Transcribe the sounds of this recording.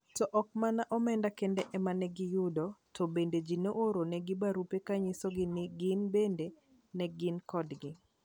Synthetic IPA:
tɔʔɔk̚manaʔɔmɛndakendɛʔɛmanɛɡɪjʊdɔtʰɔbended͡ʒinoʔoɾonɛɡɪbaɾupekaɲɪsɔɡɪnɪɡɪnbende | nɛɡɪnkɔdɡɪ

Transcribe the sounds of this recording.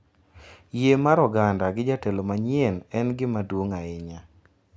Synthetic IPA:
jemaɾɔɡandaɡɪd͡ʒatelomaɲɪɛnɛnɡɪmadwoŋaɪɲa

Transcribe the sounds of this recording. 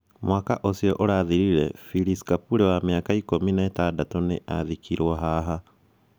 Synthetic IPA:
mwaːkaʔosiɔʔoɾaðiɾiɾɛfiɾisi̥kapuɾewameakaikominaetadatoneʔaðikiɾwɔɦaɦa

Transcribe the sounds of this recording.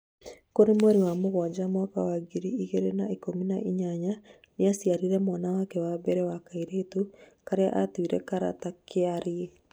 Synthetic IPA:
koɾemwɛɾiwamoɣwad͡ʑamwakawaɡiɾiiɣeɾenaikominaʔiɲaɲa | neasiaɾiɾɛmwanawakɛwabɛɾɛwakaiɾetukaɾea̰ʔatwiɾɛ̰kaɾa̰takeaɾie

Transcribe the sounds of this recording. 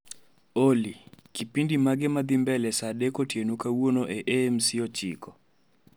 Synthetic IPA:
olikipindimaɡɪmad̪ɪmbɛlɛsadekotjenukawonoʔeʔemsɪɔt͡ʃḭkɔ

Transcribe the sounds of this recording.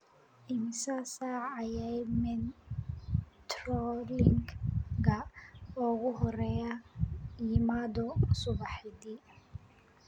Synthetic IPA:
ʔɪmɪsasaɐjɛmɛn | t̪rɔlɪŋɡɡɐɔɣʊɦɔrɛjɐjɪmaːd̪ɔsʊβɑħɪd̪i

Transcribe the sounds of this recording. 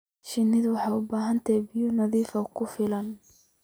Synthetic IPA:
ʃɪnːɪðwɑħɑjʊbaːɦɐnt̪ʰɛbɪjɔnɐðiːfɐkʰʊfɪlɐn

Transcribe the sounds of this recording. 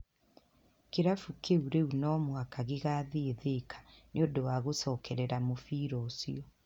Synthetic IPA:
keɾafukʰeuɾeunɔmwakaɣeɣaːðeeðekʰḁneodowaːɣosɔːkɛɾɛɾamofiːɾɔsiɔ

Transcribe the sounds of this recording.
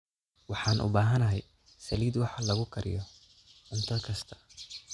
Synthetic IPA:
wɑħɑːnʔʊ̰baːɦɐnɐɦɛj | sɐliːd̪wɑħɑlɐɣʊkʰɐɾɪ̰jɔ | ʕʊnt̪ʰɐkʰɐst̪ʰɐ̥

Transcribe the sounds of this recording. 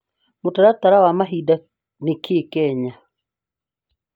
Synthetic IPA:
motaɾataɾawamaɦida | nekʰekɛɲa

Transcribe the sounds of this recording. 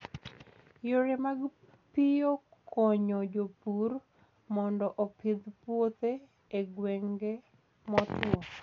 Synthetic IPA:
joɾemaɡ | pɪjokʰɔɲɔd͡ʒopur | mɔndɔʔopʰɪd̪pwot̪eː | ɡwɛŋɡe | mɔt̪ɔ

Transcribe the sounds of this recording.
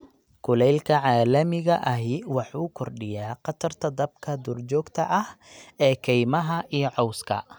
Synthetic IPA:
kʰʊlɛjlkʰɐʕɑːlɐmɪɣɐʔɐɦɪwɑħuːkʰɔrɖɪjaːqɑt̪ʰɐrt̪ʰɐd̪ɐb̚kʰɐd̪ʊːrt͡ʃɔːɡt̪ʰɐ̰ʔɐhɛːkʰɛjmɐɦɐʔijɔʕɔwskʰɐ̰

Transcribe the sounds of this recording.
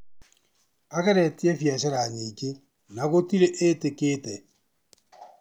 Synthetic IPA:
aɣɛɾɛtiɛfjaɕaɾaɲike | naɣotiɾeʔetekeːtɛ

